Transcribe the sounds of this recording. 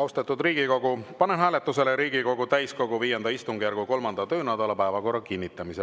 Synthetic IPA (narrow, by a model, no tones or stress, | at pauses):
ɑwst̪et̪ːˑud̪riːɡ̥iko̞ɡupɑnenɦæːlet̪ːˑuse̞leɾiːɡiko̞ɡ̥ut̪æjsko̞ɡ̥uviːjend̪ɑist̪uŋɡ̥ijærɡ̥uko̞lmɑnd̪̥ɑt̪ø̞ːnæd̪ɑlɑpæːvɑko̞rːɑkinʲːit̪ːˑɑmise